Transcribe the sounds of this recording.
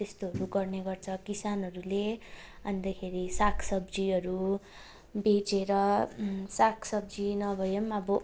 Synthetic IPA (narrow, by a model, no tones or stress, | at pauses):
t̪est̪oɦʌɾuɡʌrneɡʌrt͡sʰʌkisanʌɾuleʌnt̪akʰeɾisakʰsʌbd͡ziʌɾu | bet͡seɾʌsakʰsʌb̚d͡zinʌbʱʌjemʌbʌ